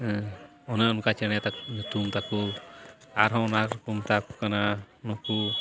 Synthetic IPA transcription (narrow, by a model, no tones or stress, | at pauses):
ɔnaɔnkat͡ʃɛɽ̃ɛjat̪at̪umt̪aku | aɾɦɔ̃wnakɾkumt̪akukana | nɔku